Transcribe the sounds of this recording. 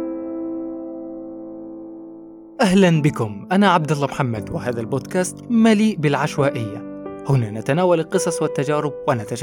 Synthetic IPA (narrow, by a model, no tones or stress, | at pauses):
ʔahlanbɪkʊmʔanaːʕab̚d̪alˤːamħamːad̪wɪhaːðalboːd̪kaːst̪maliːʔbɪlʕaʃwaːʔɪjːahʊnaːnat̪anaːwalɪlqɨsˤɑsˤwɪt̪ːad͡ʒaːɾɪb̚wanat̪aʃ